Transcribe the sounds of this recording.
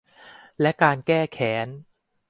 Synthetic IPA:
lɛ˦˥kaː˧nkɛː˥˩kʰɛː˩˦n

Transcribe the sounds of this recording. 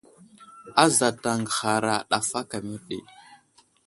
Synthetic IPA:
a˦za˨ta˨ŋɡə˨xa˨ɾa˨ɗa˨fa˦ka˨mi˦ɾɗḛ˨

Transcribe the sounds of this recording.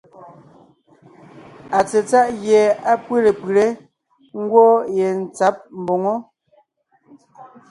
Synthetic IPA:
a˨t͡se˨t͡sa˦ʔɣje˨a˦pwe˦le˨pi˨ɾe˦ | ŋ̩˦ɡwɔ˦je˨n̩˨t͡sa˦p̚m̩˨bo˨ŋo˦

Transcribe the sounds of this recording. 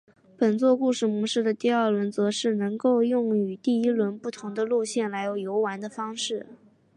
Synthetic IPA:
pə˨˩nt͡swɔ˥˧ku˥˧ʂɻ̩˥˩mu˧˥ʂɻ̩˥˩d̪ə˩t̪i˥˧ɐ˞˥˩lwə˧˥nt͡sɤ˧˥ʂɻ̩˥˩nɤ˧˥ŋko˥˧ʊjʊ˥˩ŋy˨˩t̪i˥˩i˥lwə˧˥npu˥˩t̪ʰʊ˧˥ŋd̪ə˧lu˥˧ɕjɛ˥˩nla˧˥ɪjo˨˩ʊjo˧˥ʊwa˧˥nd̪ə˧fɑ˥ŋʂɻ̩˥˩

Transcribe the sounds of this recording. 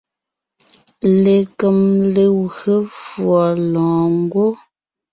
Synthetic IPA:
le˨kə˨mle˨ɣə˦fwɔ˨lɔ̃ː˨ŋ˦ɡwo˦

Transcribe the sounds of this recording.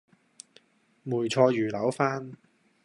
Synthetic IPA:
muː˨˩jt͡ʃʰɔː˧jyː˨˩lɐ˨˥wfaː˥n

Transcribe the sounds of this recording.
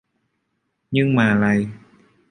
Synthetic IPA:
ɲɨ˧ŋmaː˨˩laː˨˩j

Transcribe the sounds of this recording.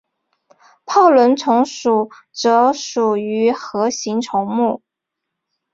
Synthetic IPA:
pʰɑ˥˩ʊlwə˧˥nt͡sʰʊ˧˥ŋʂu˨˩ | ʈ͡ʂɤ˧˥ʂu˨˩y˧˥xɤ˧˥ɕi˧˥ŋʈ͡ʂʰʊ˧˥ŋmu˥˩

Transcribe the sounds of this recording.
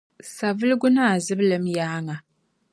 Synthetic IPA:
sa˨vɨ˦lɨ˦ɡʊ˦na˦a˨zɨ˦blɨ˨mjaː˦ŋa˨

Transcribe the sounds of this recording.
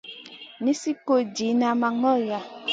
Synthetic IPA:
ni˦si˦ko˨d͡ʒi˨˦na˨ma˨ŋɔ˦ja˨

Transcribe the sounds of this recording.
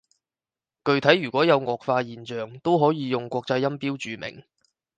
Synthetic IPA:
kɵ˧ɥt̪ʰɐ˨˥jɥyː˨˩kʷɔː˨˥jɐ˨˧wŋɔː˨˧kfaː˧jiː˨nt͡ʃœː˨ŋt̪o˥wɦɔː˨˥jiː˨˧jʊ˨ŋkʷɔː˧k̚t͡sɐ˧jːɐ˥mpiː˥wt͡ʃyː˨˧mɪ̰˨˩ŋ

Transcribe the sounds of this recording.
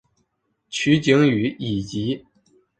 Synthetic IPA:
t͡ɕʰy˧˥t͡ɕi˧˥ŋy˨˧˥i˨˩t͡ɕi˧˥

